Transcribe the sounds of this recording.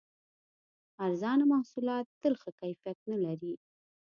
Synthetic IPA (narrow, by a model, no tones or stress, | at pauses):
aɾzɑnamahsulɑt̪ːəlxakajfijat̪̚nalaɾi